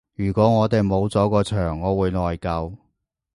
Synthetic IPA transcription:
jyː˨˩kʷɔː˨˥ŋɔː˨˧t̪e˨jmo˨˧wt͡sɔː˨˥kɔː˧t͡ʃʰœː˨˩ŋːɔː˨˧wuː˨˧jlɔː˨jkɐ˧w

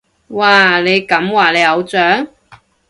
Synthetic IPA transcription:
waː˨le˨˧jkɐ˨˥mwaː˨˩le˨˧jɐ˨˧wt͡sœː˨˥ŋ

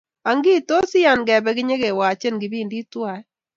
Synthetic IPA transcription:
a˨ŋɡi˦˨to˦sɪ˦ja˨nɡɛ˨bɛ˦kɪ˦ɲe˦ke˨wa˨t͡ʃe˦nɡi˨bi˦˨ndi˦twa˦˨ɛ˦

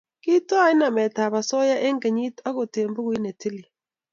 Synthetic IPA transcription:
ki˦tɔ˦a˦˨ɪ˦na˨mɛ˨ta˨βa˨sɔ˦ja˦ʔe˦ŋɡe˨ɲi˦ta˦ɣo˨te˨mbo˦ɣwi˦ne˨ti˦li˨

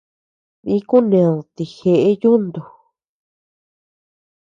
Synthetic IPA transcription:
ĩ˦ku˦nẽ˧˨t̪i˨xe˧ʔe˦ju˦nd̪u˨

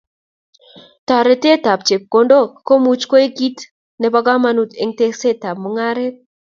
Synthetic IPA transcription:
tɔ˨ɾɛ˨te˦ta˨p̚t͡ʃe˨kːo˨ndo˦ko˦mu˦t͡ʃko˦e˦ɡi˦t | nɛ˨ba˦ɡa˦ma˨nu˨t̪e˨ŋte˦se˦ta˨b̚mo˦ŋa˦ɾɛ˦t̚

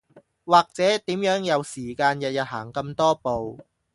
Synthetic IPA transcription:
waː˨˩k̚t͡sɛː˨˥t̪iː˨˥mjœː˨˥ŋjɐ˨˧wsiː˨˩kaː˧njɐ˨t̚jɐ˨t̚ɦa̰ː˨˩ŋkɐ˧mt̪ɔː˥po˨w

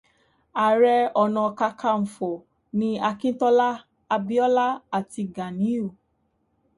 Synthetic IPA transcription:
a˨ɾɛ˧ɔ˨nã˧ka˧kʰa˧m̩˨fɔ˨ | nĩ˧˦a˧kĩ˦tɔ˦la˦ | a˧bi˦ɔ˦la˦a˨ti˧ɡa˨nĩ˨˦o˦˨

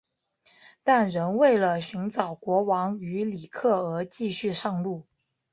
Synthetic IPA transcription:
t̪a˥˩nɻə˧˥nwe˥˩ɪlə˩ɕy˧˥nʈ͡ʂɑ˨˩ʊkwɔ˧˥wɑ˧˥ŋy˧˥li˨˩kʰɤ˥˩ə˧˥t͡ɕi˥˧ɕy˥˧ʂɑ˥˧ŋlu˥˩

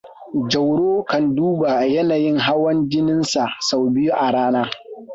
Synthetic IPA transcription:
d͡ʒɐ˨wɽoː˦kɐ˨nduː˦ba˨jɐ˦naː˨jɪ˦ŋɦa˦wɐ˦nd͡ʒɪ˦nɪ˦nsa˨ʔsa˨wbɪ˦ju˦ʔa˨ɽaː˦naː˦

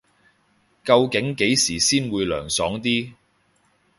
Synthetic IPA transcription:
kɐ˧wkɪ˨˥ŋke˨˥jsiː˨˩siː˥nwuː˨˧jlœ̰ː˨˩ŋsɔː˨˥ŋt̪iː˥

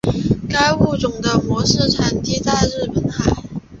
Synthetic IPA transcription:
ka˥ɪu˥˩ʈ͡ʂʊ˨˩ŋd̪ə˦mwɔ˧˥ʂɻ̩˥˩ʈ͡ʂʰa˧˥nt̪i˥˧t͡sa˥˧ɪɻɻ̩˥˩pə˨˩nxa˨˩˦ɪ

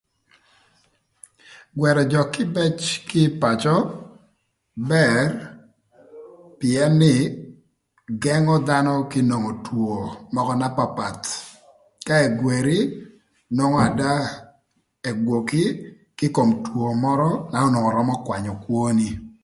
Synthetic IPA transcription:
ɡwɛ˨ɾɔ˨d͡ʒɔ˨kɪ˦bɛ˦t͡ʃkɪ˦pa˨t͡ʃɔ˦ | bɛ˨r | pɪ˨ɛ˦nːɪ˦˨ | ɡɛ˦ŋɔ˦d̪a˦nɔ˦kɪ˦no˨ŋo˨two˨mɔ˦kɔ˦na˦pa˦pa˨t̪ | ka˦e˨ɡwe˨ɾi˦ | no˦ŋɔ˦a˨da˦ | e˨ɡwo˨ki˦ | kɪ˦ko˨mtwo˨mɔ˦ɾɔ˦na˨ɔ˦no˨ŋɔ˨ɾɔ˦mɔ˦kwa˨ɲɔ˨kwo˦ni˦

